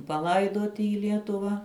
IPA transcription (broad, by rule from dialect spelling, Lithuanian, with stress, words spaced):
pɐˈlˠɐɪdoːtʲɪ iː ˈlʲiɛtʊʋɐ